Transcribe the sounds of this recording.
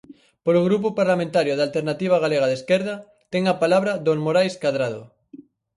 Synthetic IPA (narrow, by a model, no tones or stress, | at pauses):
poɾoɣɾup̬ʊpaɾlamẽnt̪aɾjʊðalt̪eɾnat̪iβ̞aɣaleɣaðeskeɾðɐ | t̪ɛŋapalaβɾad̪oŋmoɾajskaðɾað̞o̰